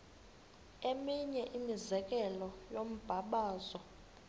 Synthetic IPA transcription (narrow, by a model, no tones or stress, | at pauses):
emiɲɛʔimizɛk̬ʼɛlɔjom̩b̥ʱaɓaːzɔ